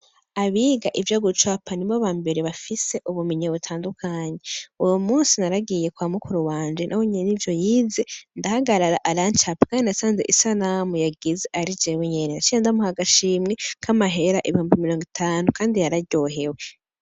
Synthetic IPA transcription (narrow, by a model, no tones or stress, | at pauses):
aβiːɡaʔivjoɡut͡ʃwapʰaniβoβaːmbe̞ɾeβafise̞ʔuβumiɲaβutʰaːndukʰaːɲe̞ujomuːnsinaɾaɡije̞kwamukuɾuwaːɲd͡ʒenʔaweɲenivjo̞jiːze̞ndahaɡaɾaɾaʔaɾant͡ʃapḁkaːndinasaːnzḛʔisanamujaɡizeʔaɾid͡ʒeweɲenenat͡ʃiandamuhaɡaʃiːmŋeŋkʰamaɦe̞ɾaʔiβihuːmbimiɾo̞ːŋɡitʰaːnukaːndijaɾaɟo̞ɦe̞we